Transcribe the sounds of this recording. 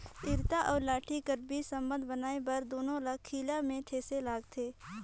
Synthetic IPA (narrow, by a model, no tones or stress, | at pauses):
ɪɾt̪aʔɔːɾlaːʈʰikəɾbisə̃mbə̃nd̪ʱbənaːebɐɾd̪oːnõlakʰːiːlamẽt̪ʰeːselaːɡt̪ʰeː